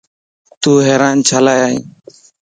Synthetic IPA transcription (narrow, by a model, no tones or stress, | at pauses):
t̪uɦɛɾant͡ʃʰalajaj